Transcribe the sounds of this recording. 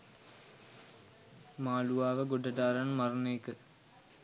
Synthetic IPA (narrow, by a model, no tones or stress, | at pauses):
maːluʋaːʋəɡoɖɐdaːɾaɳmɐrɐneːkɨ